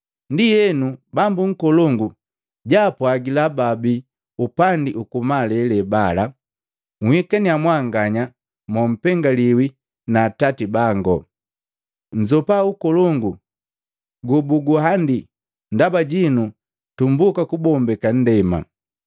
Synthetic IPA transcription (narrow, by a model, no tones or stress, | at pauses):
ndijɛnubambuŋ̩kɔlɔŋɡu | ɟapwaɡilababi | upandiʔukumalɛlɛbala | ŋhikaniamwaŋɡaɲa | mɔm̩pɛŋɡaliwi | naːtatibaŋɡɔ̰ | ɲ̩d͡ʒɔpaukɔlɔŋɡu | ɡubuɡuɦandi | ndabaɟinu | tumbukakubɔmbɛkan̩dɛma̰